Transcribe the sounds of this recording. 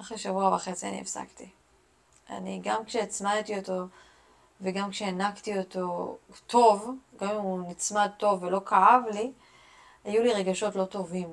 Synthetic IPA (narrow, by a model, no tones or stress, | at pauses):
ʔaχʁeʃavuavaχe̞t͡sia̰nḭḛfsa̰kti | a̰niɡamkʃeat͡smatio̞to̞ | veɡamkʃeanaktio̞to̞tʰo̞vɡamimunit͡smad̪̚to̞vːelo̞kʰaavli | ajuliʁe̞ɡaʃo̞tlo̞to̞vim